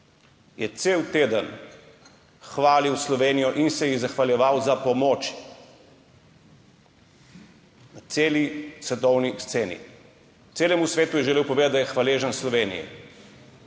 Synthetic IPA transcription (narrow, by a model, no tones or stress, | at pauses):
jɛt̪sewt̪eːd̪ən | xʋaːliwslɔʋeːnijɔʔinsɛjiɣzaxʋaljɛʋawzapɔmɔːt͡ʃ | nat̪seːlisʋɛt̪ɔwnist̪seːnḭ | t̪eːlɛmusʋeːt̪ujɛʒɛleːwpɔʋeːd̪at̪d̪ajɛxʋaleːʒənslɔʋeːnḭjɛ̰